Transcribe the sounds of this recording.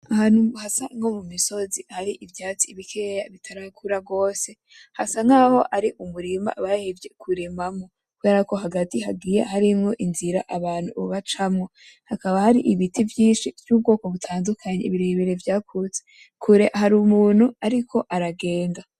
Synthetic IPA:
ahaːn̥uhasaŋo̞mumiso̞zihaɾiʔivjaːt͡siiβikʰejaβitʰaɾakʰuɾaɡo̞ːse̞ | hasaŋaːho̞ʔaɾiʔumuɾima̰βahevje̞kʰuɾemamŋo̞ | kuβe̞ːɾako̞ɦaɡatihaɡɡiːjehaɾimŋo̞ʔinziɾa̰ʔaβaːn̥hṵuβat͡ʃamŋo̞ | hakaβahaɾiʔiβitivjiːnʃivjuːb̚ɡo̞ːko̞βutʰaːndukʰaɲeiβiɾeβeɾe̞vjaːkʰut͡se | kʰuɾe̞ʔhaɾumuːn̥huaɾikʰo̞ʔaɾaɡe̞ːnda

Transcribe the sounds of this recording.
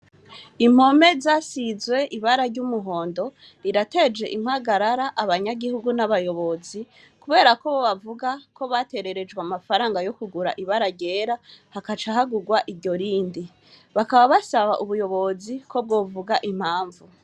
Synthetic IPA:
im̥ho̞me̞zaːsizwe̞ʔiβaɾaɾɟumuɦo̞ːndo̞ | ɾiɾate̞d͡ʒe̞̰ʔim̥haɡaɾaɾaʔaβaɲaɡihuɡunaβajo̞βo̞zi | kuβe̞ːɾako̞βoβavuɡako̞βate̞ɾe̞ɾe̞d͡ʒɡwamafaɾaːŋɡajo̞kuɡuɾa̰ʔiβaɾaɟe̞ːɾahakat͡ʃaɦaɡuɡwaʔiɾɟo̞ɾiːndi | βakaβaβasaβaʔuβujo̞βo̞ziko̞b̚ɡo̞ːvuɡaʔim̥haːɱvu

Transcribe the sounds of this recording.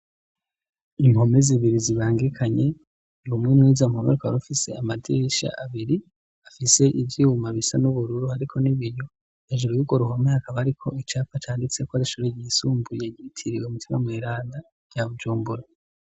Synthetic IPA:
imho̞me̞ziβiɾiziβaːŋɡikʰaɲe̞ | umŋemŋiːzamhomeɾukaβaɾufise̞̰amadiʃa̰ʔaβiɾi | afise̞ʔivjiumaβisanuβuɾuɾuhaɾikʰo̞niβiɾjo̞ | jaʒuɾjuɡwoɾuɦomehakaβahaɾikʰo̞it͡ʃaːpat͡ʃaːndit͡se̞kwaziʃuɾeɟiːsuːmbujeɟitʰiɾiweumitimamŋiːɾaːnda | jaβud͡ʒuːmbuɾa

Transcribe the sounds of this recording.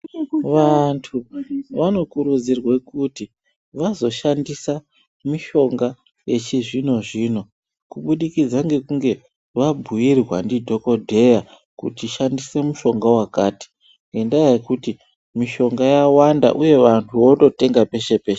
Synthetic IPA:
ʋantʰuʋano̞kuɾud͡zirwe̞kuti | ʋazo̞ʃandisa | miʃo̞ŋɡa | je̞t͡ʃiʐino̞ʐiːno̞ | kuɓuɗikid͡zaŋɡe̞kuŋɡe̞ | ʋabʱujirwa̰ndidʱo̞ko̞dʱe̞ja | kṵtiʃandise̞muʃo̞ŋɡawakaːti̥ | ŋɡe̞ndajajekuti | miʃo̞ŋɡajawanda̰ʔuje̞ʋantʰuwo̞to̞te̞ŋɡape̞ʃe̞peːʃe

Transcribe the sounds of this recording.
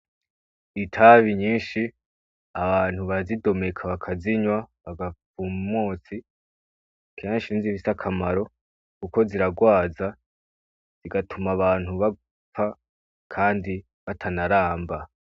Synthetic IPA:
itʰaβiɲiːnʃi | aβaːn̥huβazido̞me̞kʰaβakʰaziɲwaβaɡafumumoːt͡si | kʰeːnɲaʃinziβisakʰamaɾo̞ | kuko̞ziɾaɡwaːza | z̥iɡatumaβaːn̥huβa | p͡fa | kʰaːndi | βatʰanaɾaːmba

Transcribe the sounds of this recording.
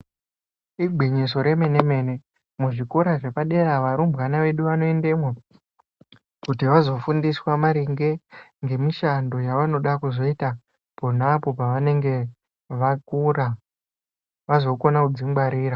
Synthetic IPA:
iɡʱiɲis̬o̞ɾe̞me̞ne̞me̞ne̞ | muʐikoɾaʐe̞paɗe̞ɾaʋaɾumbɣanaʋe̞ɗuʋano̞endemwe | kutiʋazo̞fundiswamaɾiŋɡe̞ŋɡe̞miʃando̞jaʋano̞ɗakuzo̞ita | ponapo̞paʋane̞ŋɡe̞ | ʋakura | ʋazo̞ko̞nakud͡ziŋɡ͡baɾiːɾa

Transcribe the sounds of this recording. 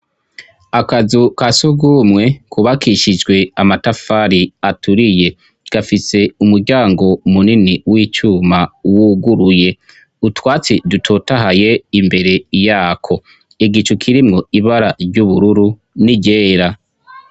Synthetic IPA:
akazukasuɡumŋe̞kuβakʰiʃid͡ʒɡwe̞amatafaːɾiatʰuɾije̞ | ɡ̥afise̞umuɾɟaːŋɡo̞muniniwiːt͡ʃuːmawuɡuɾuje̞ | utwaːt͡sidutʰo̞taɦaje̞imbe̞ɾe̞jaːkʰo̞ | iɡit͡ʃukʰiɾimŋo̞iβaɾaɾɟuβuɾuɾu | niɟe̞ːɾa

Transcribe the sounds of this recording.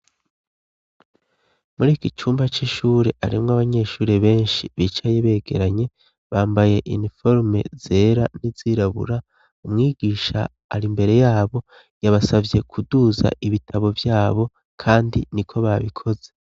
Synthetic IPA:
muɾiːkit͡ʃuːmbat͡ʃiʃuːɾe̞ʔa̰ɾimŋaβaɲe̞ʃuːɾeβe̞ːnʃiβiːt͡ʃajeβe̞ːɡe̞̰ɾaɲe̞ | βaːmbaje̞ʔḭnifo̞ɾme̞̰z̥e̞ːɾaniziɾaβṵɾa | umŋiːɡiːʃa̰ː | ɾimbe̞ɾe̞jaːβo̞ | jaβasavje̞kʰuduːza̰ʔiβitʰaβo̞vjaːβo̞ | kʰaːndḭnikʰo̞βaβikʰo̞ze̞

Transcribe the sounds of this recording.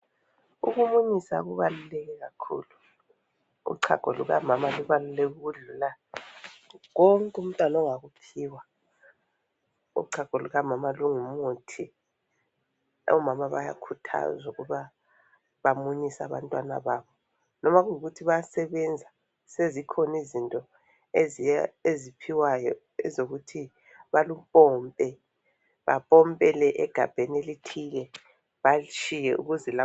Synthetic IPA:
ṵɣumuɲisa̰ɣuβalulɛɣɛɣakʰṵːlu | ṵǀʰa̰ɡ̥ʱo̰lṵɣa̰mamaluβalulɛɣuɮula | ɣoŋkʼum̩tʼwanɔŋaɣupʰiwa | ṵǀʰaɡ̥ʱoluɣamamaluŋumutʰi | ɔ̰mamaβa̰ja̰kʰutʰa̰zuɣuβa | βamuɲisa̰βa̰ntʼwana̰βaβɔ | nɔmaɣuŋiɣutʰiβaasɛβɛnd͡zʱa | sezikʰɔnizintʼɔ | zezipʰiwajɔ | ɛ̰zoɣutʰi | βalupʼɔmpʼɛ | βa̰pʼɔmpʼɛlɛʔɛɡ̥ʱa̰b̥ʱenelitʰiɣɛ | βat͡ʃʰʼijɛṵɣuzɛla

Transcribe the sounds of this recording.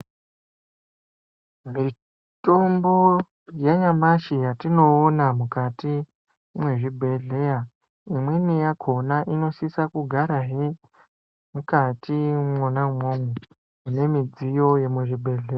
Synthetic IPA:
mi | to̞mbo | jaɲamaʃijatino̞ːnamukati | mwe̞ʐibʱe̞ɮe̞ja | imwenejakʰo̞naʔino̞sisakuɡʱaɾaɦe | mukatʰimonamome | une̞mid͡zijo̞jemweʐibʱe̞ɮea

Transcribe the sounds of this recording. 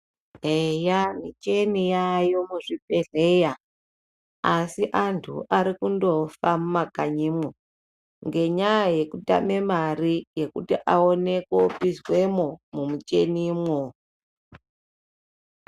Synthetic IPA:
ɦejamit͡ʃe̞nijajo̞muʐipeɮeja | asiʔantʰṵʔaɾikundo̞famumakaɲimwo | ŋɡe̞ɲajaje̞kuta̰me̞marije̞kutiʔaone̞kopizwe̞momumut͡ʃe̞nimwo

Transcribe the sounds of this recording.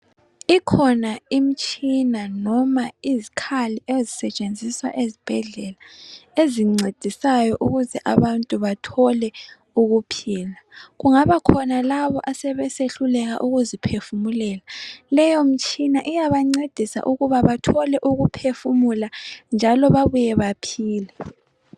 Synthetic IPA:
ikʰɔnaim̩t͡ʃʼinanɔmaizikʰaliʔezisɛt͡ʃʼend͡zʱiswa̰ʔezib̥ʱɛɮɛlaeziŋ͡ǀed̥ʱisajɔʔuɣuzɛʔa̰βantʼuβatʰɔlɛ | uɣupʰiːlaɣuŋaβakʰɔnalaβɔʔasɛβɛseɬulɛɣaʔuɣuzipʰefumulɛːlalɛjɔm̩t͡ʃʼinaʔijaβaŋ͡ǀed̥ʱisa̰ʔuɣuβaβatʰɔlɛʔuɣupʰefumuland͡ʒʱalɔβaβujɛβapʰiːlɛ

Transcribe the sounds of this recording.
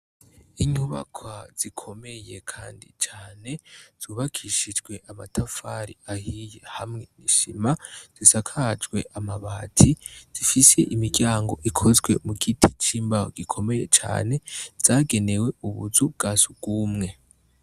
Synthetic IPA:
iɲuβa̰kʰwaz̥ikʰo̞me̞je̞kʰa̰ːndḭt͡ʃaːne̞z̥uːβakʰiʃid͡ʒɡwe̞ʔamatʰafaɾiahijehamŋeniʃimaz̥isakʰad͡ʒɡwe̞ʔamaβaːtʰiz̥ifise̞ʔimiɡɟjaːŋɡo̞̰ʔikʰo̞zɡwe̞muɡitʰit͡ʃiːmbaho̰ɡ̥ikʰo̞me̞jḛt͡ʃa̰ːne̞z̥aːɡe̞ne̞we̞uβuzubɡ̥aːsub̚ɡuːmŋe̞

